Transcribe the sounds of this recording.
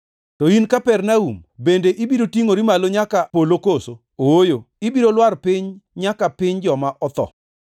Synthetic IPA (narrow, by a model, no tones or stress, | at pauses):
tɔinkapɛrnaṵmbendeʔibiɾotiŋoɾimaloɲakapolokoso | oojo | ibiɾolwarpɪɲɲakapɪɲd͡ʒɔmaʔɔt̪ɔ̰